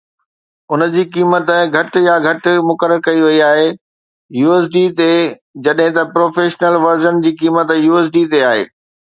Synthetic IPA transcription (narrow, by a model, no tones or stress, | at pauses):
ʊnə̆d͡ʑiːkiːmət̪ɡʱɐʈjaɡʱɐʈ̆mʊkəɾəɾkɐiʋɐiaːɦe | juːeːs̬ɖiːt̪e | d͡ʑɐɗɦɪ̃t̪ɐpɾoːfeːʃnəlʋɐɾzənd͡ʑiːkiːmət̪juːeːs̬ɖit̪eaːɦḛː